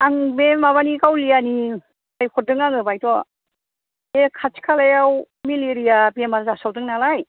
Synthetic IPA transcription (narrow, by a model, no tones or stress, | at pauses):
aŋbemaβanikawlijani | ajkʰɔdɯŋaŋɯbajtɔ | ekʰat͡ʃkʰalajaw | miliɾijabemaɾzasawdɯŋnalaj